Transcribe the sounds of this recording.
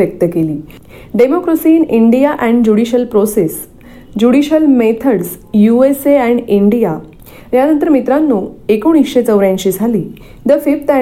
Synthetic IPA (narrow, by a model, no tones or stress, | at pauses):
ək̚t̪əkeliː | ɖemokɾəsiːniɳɖijaʔɛ̃ɳɖd͡ʑuɽiɕəlpɾoses | d͡ʑuɽiɕəlmet̪ʰəɽs | jueseɛ̃ɳɖiɳɖija | janə̃nt̪əɾmit̪ɾanːuːekoɳ̃isɕet͡səʋɾjãɲt͡ɕiːd͡zʱaliː | d̪əfipt̪ɛ